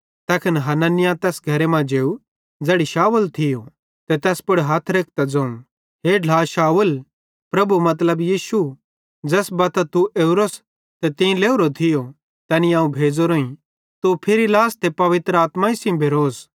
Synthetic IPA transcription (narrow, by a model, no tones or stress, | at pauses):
t̪ɛːkʰɐnɦɐnanɪjãt̪ɛːsɡʱɐɾemãd͡ʒeːu | d͡zɛːɽiʃaːʋəlt̪ʰɪjo | t̪et̪ɛːspʊɽɦaːt̪ʰɾeːk̚ʰt̪ad͡zɐ̃ũ | ɦeːɖʱlaːʃaːʋəl | pɾɐbumɐt̪̬ləbjiːʃu | d͡zɛːsbɐt̪at̪uʔeːʊɾos | t̪et̪ɪ̃leːuɾot̪ʰɪjo | t̪ɛːniaːũbʱeːd͡zoɾoːĩ | t̪upʰɪɾilaːst̪epɐʋɪt̪ɾəaːt̪mãɪsĩbʱeɾoːs